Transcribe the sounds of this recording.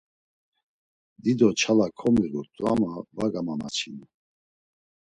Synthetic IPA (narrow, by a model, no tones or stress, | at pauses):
d̪id̪ɔt͡ʃʰalakʰɔmiɾut̪ʼuamavaɡamama̰t͡sʰinu